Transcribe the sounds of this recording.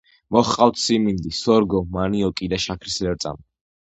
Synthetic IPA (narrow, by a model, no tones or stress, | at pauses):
mɔχqʼawt̪ʰsimind̪isɔɾɡɔmaniɔkʼid̪aʃakʰɾislɛɾt̪sʼa̰m